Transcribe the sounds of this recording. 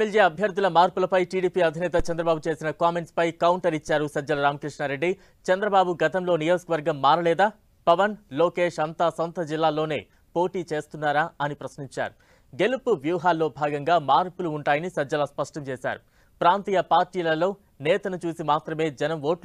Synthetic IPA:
eld͡ʒeːɐbʱjɐɾd̪ulɐmaːɾpulɐpɐjʈiːɽiːpiːɐd̪ʱinɛːt̪ɐt͡ʃɛnd̪ɾɐbaːbut͡ʃe̞ːsinɐkaːme̞ɳʈspɐjkɐwuɳʈɐɾit͡ʃːaːɾusɐd͡ʒɐlɐɾaːmɐkɾiʂɳaːɾe̞ɖːi | t͡ʃɐnd̪ɾɐbaːbuɡɐt̪ɐmlo̞ːnijo̞ːd͡ʒɐ̥kɐʋɐɾɡɐmːaːɾɐlɛːd̪aː | pɐʋɐnlo̞ːke̞ːʂɐnt̪aːsont̪ɐd͡ʒilːaːlo̞ːne̞̰ː | po̞ːʈiːt͡ʃe̞ːst̪unːaːɾaːɐnipɾɐsniɲt͡ʃa̰ːɾu | ɡe̞lupuʋjuːɦaːlːo̞ːbʱaːɡɐŋɡaːmaːɾpuluːɳʈaːjɐnisɐd͡ʒɐlɐspɐʂʈɐmt͡ʃeːsa̰ːɾu | pɾaːnt̪iːjɐpaːɾʈiːlɐlo̞ː | nɛːt̪ɐnut͡ʃuːsimaːt̪ɾɐme̞ːd͡ʒɐnɐmʋo̞ːʈ

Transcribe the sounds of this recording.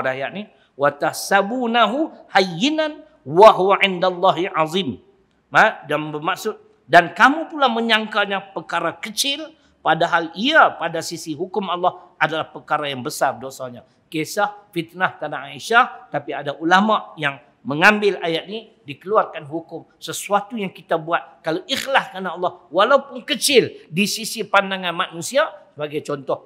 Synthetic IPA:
dajaʔ̚ni | wat̪ahsabunaɦuhajːinan | waɦuwaʔɪndalˤːaɦiʕɑðˤim | adambəmaksʊt̪̚ | dankamũpulahmə̃ɲaŋkaɲãpərkaɾakət͡ʃɪl | padaɦaliapadasisiɦukʊmalːɑhʔadalahpərkaɾajaŋbəsardosaɲa | kesahfit̪̚naht̪anaʔaiʃaht̪apiadaʔulamaʔjaŋ | mə̃ŋãmbɪlajat̪̚ni | dikəluarkanɦukʊm | səsuat̪ujaŋkit̪abuat̪̚kalawʔixlask̪anaʔːlːɑhwalaupʊnkət͡ʃɪldisisipandaŋãnmãnũsiasəbaɡajt͡ʃɔnt̪ɔh

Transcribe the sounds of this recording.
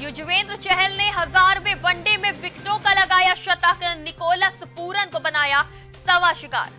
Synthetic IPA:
jʊd͡ʑʋeːnd̪ɾt͡ʃɛɦɛlneɦɐzaːɾʋẽʋɐ̃ɳɖemẽʋɪkʈoːkalɐɡaːjaʃɐt̪akənɪkoːləspuːɾənɪ̆kobɐnaːja | sɐʋaʃɪka̰ːɾ

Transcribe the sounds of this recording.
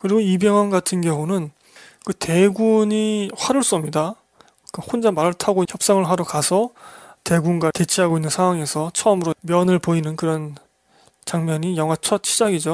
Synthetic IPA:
kɯɾiɡoibeŋwʌnɡatʰɯnkjʌŋunɯn | kɯte̞ɡuɲiɸwaɾɯɭs͈uʌmɲida | kɯhond͡ʑamːaɾɯɭtʰaɡoiçjʌp̚s͈aŋɯɭwaɾokasʰʌte̞ɡunɡwate̞t͡ɕʰiɦaɡoinːɯnsʰaŋwaŋe̞sʰʌt͡ɕʰʌɯmɯɾomjʌnɯɭpoinɯnkɯɾʌn | t͡ɕaŋmʌɲijʌŋɦwat͡ɕʰʌt̚ɕʰid͡ʑaɡid͡ʑo

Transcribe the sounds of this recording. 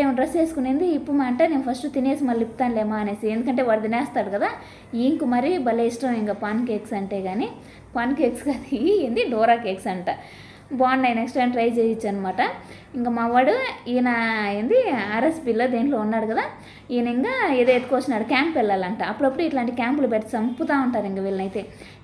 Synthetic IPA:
eːmɐɖɾest͡ʃe̞ːsukuneːnd̪iːpːumaːɳʈaːneːnupʰɐsʈut̪ineːsimɐlːipːt̪aːnleːmaːneːsiend̪ukɐɳʈ̬e̞ːʋaːɽd̪inɛːst̪aːɽukɐd̪aː | iːŋkumɐɾibɐleisʈɐmiŋkaːpaːnkeːksɐɳʈeːɡaːni | paːnkeːkskad̪eːnd̪iɖɔːɾaːkeːksɐɳʈɐ | baːnːɐjneksʈɾɐjmʈɾɐjd͡ʒeːsit͡ʃːaːnɐmaːʈɐ | iŋkamɐʋaːɽuiːnɐeːnd̪iɐɾesbiːloːd̪eːnlo̞ːunːaːɽukɐd̪aː | iːniŋkaːeːd̪eet̪u̥koʋɐt͡ʃːinːaːɽukaːmpːɛlːaːlɐɳʈaɐpːuɽɐpːuɽuiʈlaːɳʈikaːmpulupeʈːɐ̥sɐmput̪aːuɳʈaːɾiŋkaʋilɐnɐjt̪e̞ː

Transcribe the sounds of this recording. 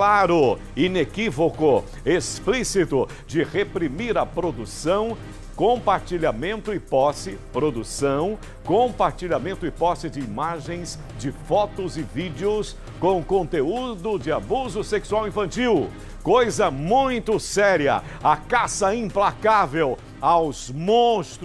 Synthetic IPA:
klaɾʊ | inekivokʊ | esplisit̪ʊ | d͡ʒɪʁepɾimiɾɐpɾod̪usɐ̃w̃ | kõpaɾt͡ʃiʎamẽnt̪ʊɪpɔsɪpɾod̪usɐ̃w̃ | kõpaɾt͡ʃiʎamẽnt̪ʊɪpɔsɪd͡ʒɪimaʒẽj̃z | d͡ʒɪfɔt̪ʊzɪvid͡ʒɪʊs | kõw̃kõnt̪eud̪ʊd͡ʒɪabuzʊseksuawĩfɐ̃nt͡ʃiw | kojzɐmũj̃t̪ʊsɛɾiɐ̰ | akasɐĩplakavew | awzmõst̪

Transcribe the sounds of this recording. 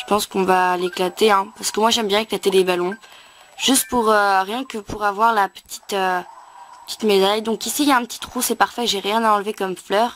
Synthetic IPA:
ʒ̥ə̥pɑ̃skɔ̃valeklat̪eɛ̃paʁsə̥kəmwaʒɛmbjɛ̃eklat̪ed̪ebalɔ̃ | ʒ̥yst̪̚puʁøʁjɛ̃kəpuʁavwaʁlapə̥t̪ʰi̥t̪øpə̥t̪i̥t̪mezajd̪ɔ̃kisijaɛ̃pət̪ʰi̥t̪χusɛpaʁfɛʒeʁjɛ̃naɑ̃lvekɔmflœːʁ

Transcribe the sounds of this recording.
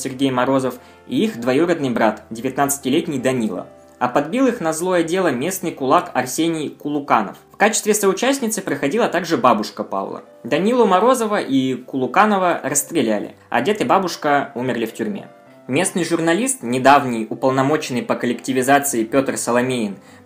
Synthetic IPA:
sʲɪrɡʲejmɐɾo̞zəf | iixd̪vɐjuɾəd̪nɨjbɾat̪dʲɪvʲɪt̪nat̪sɨ̥tʲɪlʲetʲnʲɪjd̪ɐnʲilˠə̰ | ɐpɐd̪̚bʲilˠɨxnɐzlˠo̞jədʲe̞lˠəmʲe̞snɨjkʊlˠakɐrsʲenʲɪjkʊlˠʊkanə̰ffkat͡ɕɪst̪vʲɪsəʊt͡ɕæsʲnʲɪt̪sɨpɾəxɐdʲilˠət̪aɡʐɨbabʊʂkəpa̰vlˠə̰ | d̪ɐnʲilˠʊmɐɾo̞zəvəʔikʊlˠʊkanəvərəst̪ɾʲɪlʲælʲɪ̰ɐ̰dʲet̪ɨjbabʊʂkəumʲɪrlʲɪftʲyɾʲmʲḛ | mʲe̞snɨjʐʊrnɐlʲist̪nʲɪd̪avnʲɪjʊpəlˠnɐmo̞t͡ɕɪnːɨjpəkəlʲɪktʲɪvʲɪzat̪sɨɪpʲo̞t̪rsəlˠɐmʲeɪn

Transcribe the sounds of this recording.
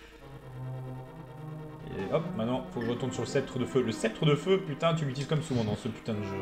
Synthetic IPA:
ḛɔp̚mɛ̃t̪nɑ̃ifokəʒəʁət̪ɔ̃d̪syʁləsɛp̚t̪χəd̪əføləsɛp̚t̪χəd̪əføpyt̪ɛ̃t̪̬ylyt̪ilizkɔmsuvɑ̃d̪ɑ̃səpy̥t̪ɛ̃d̪əʒø

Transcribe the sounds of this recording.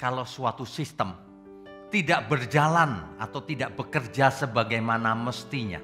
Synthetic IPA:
kalawsuat̪usist̪əm | t̪idaʔbərd͡ʒalanat̪awt̪idaʔb̥əkərd͡ʒasəbaɡajmanaməst̪iɲa̰

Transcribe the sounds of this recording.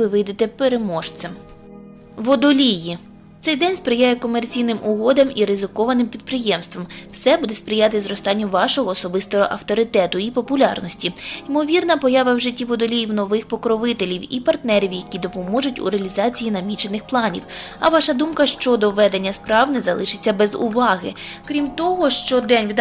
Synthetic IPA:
ɪʋɪjd̪et̪ɛpeɾemɔʃt͡s̪ʲɐm | ʋɔd̪ɔlʲiji | t̪sɛjd̪ɛnʲspɾɪjajɛkɔmert͡sʲijnɪmʔʊɦɔd̪ɐmiɾɪzɪkɔʋɐnɪmpʲid̪̚pɾɪjɛmst̪ʋɔmwsɛbud̪ɛspɾʲɪjɑt̪ɪzɾɔst̪ɑnʲːʊʋɑʃɔɦɔːsɔbɪst̪ɔɦɔʔɐwt̪ɔɾɪt̪ɛt̪ʊipɔpʊlʲɑ̰rnɔsʲtʲiimɔʋʲirnɐpɔjɑʋɐwʒɪtʲːiʋɔd̪ɔlʲijiwnɔʋɪxpɔkɾɔʋɪt̪elʲiwḭpɐrt̪nɛɾʲiwjɐkʲid̪ɔpɔmɔʒʊtʲṵɾeɐlʲizɑt͡sʲijinɐmʲit͡ʃenɪxplˠɑnʲḭwɐ̰ʋɑʃɐd̪umkɐʃt͡ʃɔd̪ɔʋɛd̪enʲːɐspɾɑwnɛzɐ̰lˠɪʃɪt͡sʲːɐbɛzʊ̰ʋɑɦɪ̰ | kɾʲimt̪ɔɦɔʃt͡ʃɔd̪ɛnʲʋʲid̪

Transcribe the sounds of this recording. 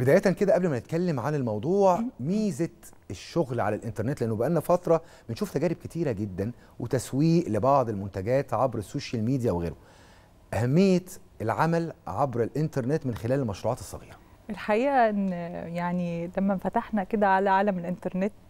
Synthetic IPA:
bed̪æːjæt̪ænked̪æʔæblmænet̪̚kælːemʕanelmɑwd̪ˤuːʕmiːzet̪eʃːoɣlʕa̰lælʔent̪ɑɾˤnet̪leʔænːobeʔænːæfɑt̪ɾˤɑ | benʃuːft̪æɡæːɾeb̚ket̪iːɾæɡed̪ːæn | wʔet̪æswiːʔlebɑʕd̪ˤelmont̪æɡæːt̪ʕɑbɾesːoːʃælmiːd̪ijæweɣḛːɾo | ʔæhæmːejːet̪ | elʕamælʕɑbɾelʔent̪ɑɾˤnet̪menxelæːlelmɑʃɾuːʕɑːt̪e̥sˤːɑ̰ɣḭːɾæʔelħaʔiːʔæʔenːjaʕnilæmːæfæt̪aħnæked̪æʕalæʕaːlæmelʔent̪ɑɾˤnet̪

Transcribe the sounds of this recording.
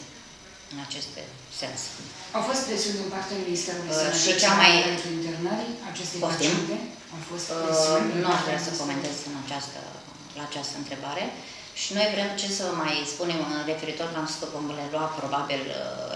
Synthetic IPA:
ɨnat͡ʃe̞st̪ḛ | se̞̰nsawfo̞st̪pɾesiund̪impart̪eaminist̪eɾulʃit͡ʃamajet̪ɾeint̪ernəɾat͡ʃest̪epoʃt̪imte | awfost̪esnuaʒd̪ɾeasəko̞me̞nt̪e̞zɨnat͡ʃast̪ə̰ | laːt͡ʃast̪əɨnt̪ɾe̞baɾe̞ | ʃino̞jvɾe̞mt͡ʃe̞səmajspune̞mre̞fe̞ɾit̪o̞rlamsk̪ovomle̞loapɾo̞babil

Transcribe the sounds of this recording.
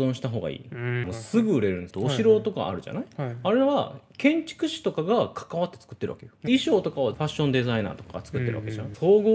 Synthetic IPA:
zõ̞ɰ̃ɕi̥t̪aɦo̞ːɡa̰ḭːanosɨɡɯɯ̟ɾe̞ɾɯ̟̃nd̪t̪oːɕiɾo̞ːt̪o̞ka̰ːɾɯ̟ʑa̰naiaɾe̞βa̰kẽ̞ɲ̟t͡ɕi̥kɯ̟ɕi̥t̪o̞kaɡakʰḁkaβat̪ːe̞̥t͡sɨ̥kɯ̟t̪ːe̞ɾɯ̟βḁ̰ke̞joiɕo̞ːt̪o̞kaβaɸaɕːõ̞nd̪e̞zaina̰ːt̪okaɡat͡sɨ̥kɯ̟t̪ːe̞ɾɯ̟βake̞ʑanaoːɡo

